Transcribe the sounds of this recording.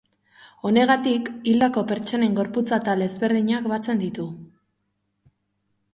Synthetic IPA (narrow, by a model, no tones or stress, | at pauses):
o̞ne̞ɣ̞at̪ikild̪ako̞pe̞ɾt͡ʃo̞ne̞ŋɡo̞ɾput͡sat̪alezβe̞ɾðiɲakbat͡se̞nd̪it̪u